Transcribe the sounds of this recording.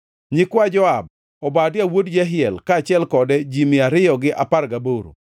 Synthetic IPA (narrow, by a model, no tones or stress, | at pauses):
ɲɪkwad͡ʒɔab̚ | ɔbadɪawodd͡ʒɛɦɪɛlkaːt͡ʃɪɛlkɔdɛd͡ʒimɪaɾɪjɔɡɪʔaparɡaboɾo̰